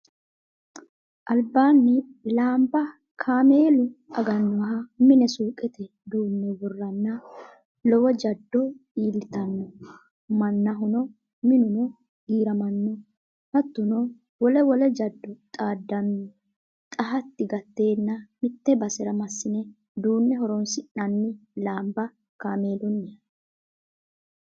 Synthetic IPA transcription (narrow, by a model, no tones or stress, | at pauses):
ʔɐlbːaːnːɪlaːmbɐ | kʰaːme̞ːlʊʔɐɡɐnːɔwɐɦɐmɪnɛsuːkʼɛt̪ɛ | d̪uːnːɔbɔrːɐnːɐ | lɔwɔd͡ʒɐd̪ːɔiːlːɪt̪ɐnːɔ | mɐnːɐɦʊnɔ | mɪnʊnɔ | ɡiːɾɐmɐnːɔ | hɐt̪ːʊnɔ | wɔlɛwɔlɛd͡ʒɐd̪ːɔt̪ʼaːd̪ːɐnːɔ | t̪ʼɐɦɐt̪ːɪɡɐt̪ːe̞ːnːɐmɪt̪ːɛbɐsɛɾɐmɐsːɪnɛ | d̪uːnːɛɦɔɾɔnsɪnɐnːɪlaːmbɐ | kaːmeːd̪ɔnːɪɐ